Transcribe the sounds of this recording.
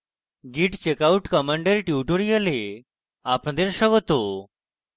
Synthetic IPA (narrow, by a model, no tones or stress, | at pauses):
ɡiʈt͡ɕekauʈkəmaɳɖeɾʈjiʈoɽijəle | apɳ̃ad̪eɾɕəɡɔt̪o